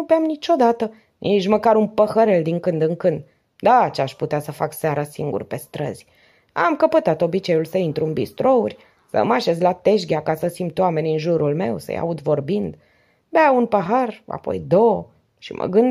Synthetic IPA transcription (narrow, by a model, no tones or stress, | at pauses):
ubeamnit͡ʃo̞d̪at̪ə | nʔit͡ʃməkaɾunpəxəɾe̞ld̪iŋkɨnd̪ɨŋkɨnd̪ | d̪at͡ʃeaʃput̪easəfaksaɾasiŋɡṵrpe̞st̪ɾə̰z̥ʲ | a̰mkəpət̪at̪o̞bit͡ʃe̞julsəint̪ɾuɨnbist̪ɾo̞urʲ | sə̰maʃe̞zlat̪e̞ʃ̬ɡʲakasəsimpt̪wame̞nʲɨnʒuɾulme̞wsə̰ja̰ud̪vo̞rbind̪ | beaunpəɦara̰po̞̰jd̪o | ʃḭmʔə̰ɡɨnd̪